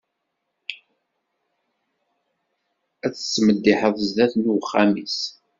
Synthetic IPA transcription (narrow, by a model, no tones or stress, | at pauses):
æt͡sːə̥sːməd̪ːiħəðˤzðæθnuwχːæmis